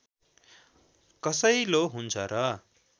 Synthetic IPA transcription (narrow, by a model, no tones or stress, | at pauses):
kʌsʌjloɦunt͡sʰʌɾʌ